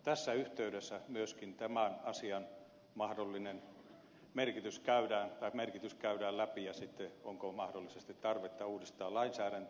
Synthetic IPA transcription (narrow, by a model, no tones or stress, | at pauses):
t̪æsːæyht̪eydesːæmyøskint̪æmænɑsiɑn | mɑhdolːinen | merkit̪yskæydæːnt̪ɑˑikmerkit̪yskæydæːllæpijɑsit̪ːeoŋkomɑhdolːisest̪it̪ɑrʋet̪ːɑuːdist̪ɑːlɑinsæːɾæn